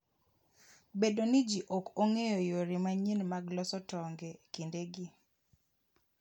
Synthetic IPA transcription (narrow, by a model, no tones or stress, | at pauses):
bedonɪd͡ʒiʔokoŋejɔjoɾimaɲinmaɡlɔsɔtɔŋɡɛkindeɡi